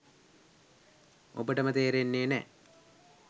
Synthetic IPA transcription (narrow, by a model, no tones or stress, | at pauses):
obəʈəmət̪eːɾenːeːnɛ̰ː